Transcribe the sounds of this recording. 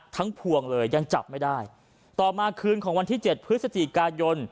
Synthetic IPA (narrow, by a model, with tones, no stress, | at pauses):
t̪ʰa˦˥ŋpʰu˧əŋlɤː˧jːa˧ŋt͡ɕa̰˨˩p̚ma˥˩jdaː˥˩j | t̪ɔː˨˩maː˧kʰɯː˧nkʰɔː˩˦ŋwa˧nt̪ʰiː˥˩t͡ɕe˨˩t̪̚pʰɾɯ˦˥t̪̚sa˧t̪i˨˩kaː˧jo˧n